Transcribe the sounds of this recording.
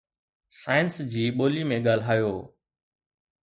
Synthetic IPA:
saːɪənsd͡ʑiːɓoːlimẽɠaːlɦaːjoː

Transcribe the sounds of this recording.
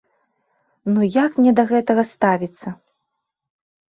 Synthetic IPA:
nujakmnʲɛd̪ɐɣɛt̪ɐɣɐst̪avʲit̪sːɐ

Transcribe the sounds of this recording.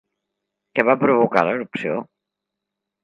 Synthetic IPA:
kɛβapɾuβuka̰ləɾupsio̰

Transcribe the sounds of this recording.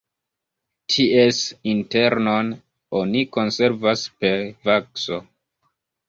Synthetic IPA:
tʰiʔesinte̞ɾnon | oniko̞nse̞ɾvaspe̞ɾvakso̞

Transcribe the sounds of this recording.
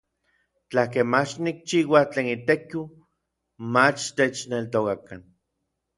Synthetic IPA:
t͡ɬakemat͡ʃnik̚t͡ʃiːwat͡ɬeːnit̪eki | mat͡ʃt̪et͡ʃnelt̪okakan

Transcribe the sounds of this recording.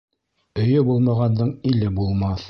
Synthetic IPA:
ɵ̆jɵbulˠmɑʁɑnd̪ɤɴilɘbulˠmɑθ

